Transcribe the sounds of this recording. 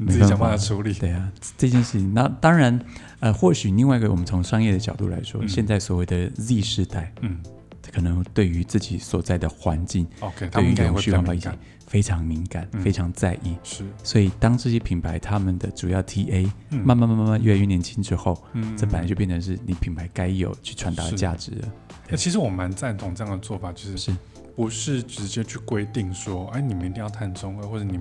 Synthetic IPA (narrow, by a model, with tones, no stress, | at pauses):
me˧˥˨u˧˥li˨˩t̪e˥˩ɪa˨˩˥ʈ͡ʂɤ˥˧t͡ɕjɛ˥˧nʂɻ̩˥˩t͡ɕʰi˧˦ŋna˥˩t̪ɑ˥ŋɻa˧˥n | ə˧xwɔ˥˩ɕy˨˩li˥˧ŋwa˥˧i˥ɡə˨wɔ̰˨mə˦nt͡sʰʊ˧˥ŋʂɑ˥ŋjɛ˥˩d̪ə˩t͡ɕjɑ˨˩ʊt̪ṵ˥˩la̰˧˥ɪʂwɔ̰˥ɕjɛ˥˧nt͡sa˥˩ɪswɔ˨˩we˥˩ɪd̪ə˩li˥˧ʂɻ̩˥˧t̪a˥˩ɪ˩ | kʰɤ˨˩nɤ˧˥ŋt̪we˥˩ɪy˧˥t͡sɹ̩˥˩t͡ɕi˨˥swɔ˨˩t͡sa˥˩ɪd̪ə˩xwa˧˥nt͡ɕi˥˩ŋ˧tt̪e˥˩y˧˥i˥˩ʈ͡ʂʊ̃˨˧ɕy˥wpa˧i˥˩t͡ɕɛ̰˨˩ | fe˥ɪʈ͡ʂʰɑ˧˥ŋmi˧˥ŋka˨˩˦nfe˥ɪʈ͡ʂʰɑ˧˥ŋt͡sa˥˧ɪʔi˥˩˥swɔ˧˥i˨˩t̪ɑ˥ŋt͡sɹ̩˥˩t͡ɕi˧˥pʰi˨˩ŋpʰa˧˥ɪt̪ʰa˥mə˨nd̪ə˩ʈ͡ʂu˨˩jɑ˥˩ʊt̪ʰi˥ʔe˥ɪ˥ma˥˧nma˥˧nma˥˧ma˥˧ma˥˧njla˥˧y˥˧njɛ˧˥nt͡ɕʰi˥ŋʈ͡ʂɻ̩˥xo˥˩ʊʈ͡ʂpə˨n˨a˧˥t͡ɕjpjɛ˥˩nʰ˩˧nʂɻ̩˥˩ni˨˥pʰi˨˥ŋpʰa˧˥ɪka˥ɪjo̰˨˩ʊt͡ɕʰy˥˩ʈ͡ʂʰwa˧˥nt̪ɑ˥˩d̪t͡ɕja̰˥˩ʈ͡ʂɻ̩˧˥˦ə˦˥ | i˥ʂɻ̩˧˥wɔ˨˩ma˧˥nt͡sa˥˩nt̪ʰʊ˨˩ŋʈ͡ʂɤ˥˧jɑ˥˩ŋd̪ə˩t͡swɔ˥˩fa˨˩t͡ɕjo˥˧ʊʂɻ̩˥˧ʂɻ̩˥˩ | pu˧˥ʂɻ̩˥˩ʈ͡ʂɻ̩˧˥t͡ɕjɛ˥t͡ɕʰy˥˩kwe˥ɪt̪i˥˩ŋʂwɔ˥e˥ni˨˩mə˨ni˧t̪i˥˧ŋjɑ˥˧t̪ʰa˥˩nt͡sʊ˥ŋə˧xwɔ˥˧˩ʈ͡ʂni˨˩